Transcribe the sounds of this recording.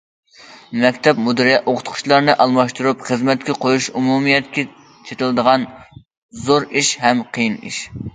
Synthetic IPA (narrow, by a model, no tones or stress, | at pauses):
mɛkʲt̪ʰɛpmud̪ɨɾijɛoqʰʊ̥t̪qʰʊ̥ʃlˠɑɾnɨʔɑlˠmɑʃt̪uɾupχəzmɛt̪̚kʲɛqʰojuʃumumijɛt̪kʲɛ | t͡ʃʰet̪ɨlˠd̪əʁɑn | zoɾiʃhɛmqʰəjinḭʃ